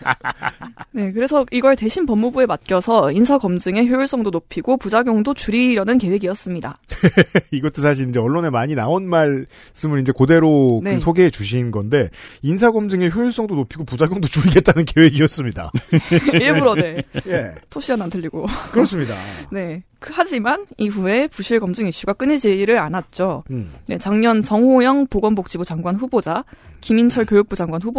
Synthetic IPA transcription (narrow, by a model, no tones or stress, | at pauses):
ne̞kɯɾe̞sʰʌiɡʌɭte̞ɕʰinpʌmːubue̞mat̚k͈jʌsʰʌinsʰaɡʌmd͡ʑɯŋe̞çjojiɭs͈ʌŋdonopʰiɡopud͡ʑaɡjoŋdot͡ɕuɾiɾʌnɯnke̞we̞ɡiʌs͈ɯmɲida̰ | iɡʌt͈ʰosʰaɕ̬ʰiɾind͡ʑe̞ʌɭːone̞maɲinaonmaɭ | s͈ɯmɯɾind͡ʑe̞kode̞ɾonɯsʰoɡe̞ːt͡ɕuɕ̬ʰinɡʌnde̞ins̬ʰaɡʌmd͡ʑɯŋeçjoiɭs͈ʌŋdonopʰiɡopud͡ʑaɡjʌŋdot͡ɕuiɡe̞t̚t͈anɯnkʰe̞we̞ɡiʌs͈ɯmɲida̰ | iɭbuɾʌneje̞tʰoɕʰianantʰɯʎːiɡokɯɾʌs͈ɯmɲida̰ne̞kɯhad͡ʑimaniɸue̞puɕʰiɭɡʌmd͡ʑɯŋiɕ͈uɡak͈ɯned͡ʑiɾɯɾanat̚t͡ɕ͈one̞t͡ɕaŋɲʌnt͡ɕʌŋɦojʌŋpoɡʌnbok̚t͡ɕ͈ibud͡ʑaŋɡwanɸubod͡ʑakimint͡ɕʰʌɭkjojuk̚p͈ud͡ʑaŋɡwanɸubo